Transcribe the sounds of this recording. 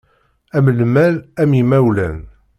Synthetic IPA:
æməlmæɾæmimæwlæ̰n

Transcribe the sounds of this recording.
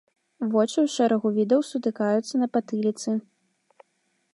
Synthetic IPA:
vɔt͡ʂɨwʂɛɾɐɣuvʲid̪ɐwsut̪ɨkajut̪sːɐnɐpat̪ɨlʲit̪sɨ

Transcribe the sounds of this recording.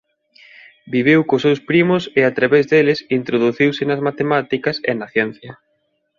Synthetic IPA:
biβ̞ewkʊsewspɾimʊseat̪ɾaβezðelɪsint̪ɾoðuθiwsɪnɐzmat̪emat̪ikɐsḛnɐθjɛn̟θjɐ

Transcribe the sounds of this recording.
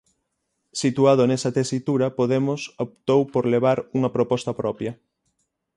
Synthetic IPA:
sit̪uaðonesɐt̪esit̪uɾɐpoðemʊsop̚t̪owpoɾleβ̞aɾuŋɐpɾopɔst̪ɐpɾɔpjɐ

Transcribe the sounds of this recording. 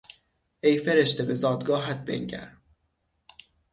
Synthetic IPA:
ʔejfeɾeʃt̪ebe̞zɒːd̪ɡɒːɦæt̪̚bḛŋɟæ̰ɾ

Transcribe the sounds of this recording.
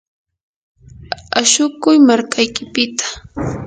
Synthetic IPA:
aʃʊkʊjmaɾkajkɪpɪt̪ḁ

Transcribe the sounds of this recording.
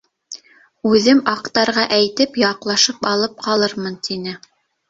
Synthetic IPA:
ʉðɘmɑqt̪ɑɾʁɑʔæjt̪ɘpjɑqlˠɑʃɤpɑlˠɤp̚qɑlˠɤɾmɤnt̪ʰinɘ

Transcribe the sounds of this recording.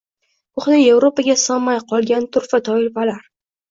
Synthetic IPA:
ʊχnɪevɾopaɡʲasɒmːajqʰɒlˠɡʲant̪ʰʊɾfat̪ʰɒɪlfalaɾ

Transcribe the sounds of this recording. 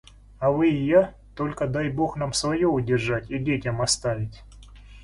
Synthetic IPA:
ɐvɨɪja | t̪o̞lʲkəd̪ajbo̞xn̪amsvɐjoʊdʲɪrʐatʲidʲetʲɐmɐst̪avʲɪtʲ

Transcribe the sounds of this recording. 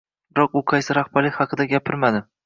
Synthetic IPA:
bɪɾɒqʊqʰɑjsɪɾɑχbaɾɪhɑqʰɨd̪aɡʲapʰɪɾmad̪ɪ

